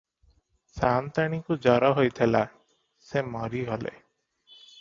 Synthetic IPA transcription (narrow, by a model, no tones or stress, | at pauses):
sant̪aɽ̃ikud͡ʒɔɾɔɦojt̪ʰela | semɔɾiɦolḛ